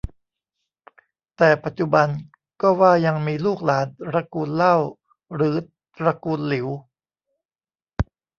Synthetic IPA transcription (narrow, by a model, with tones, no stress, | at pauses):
t̪ɛː˨˩pa˨˩t̪̚t͡ɕu˨˧˩ba˧n | kɔː˥˩waː˥˩ja˧ŋmiː˧luː˥˩k̚laː˩˦nɾa˧kuː˧nla˥˩w | ɾɯː˩˦ | t̪ɾa˧kuː˧nli˨˩˦w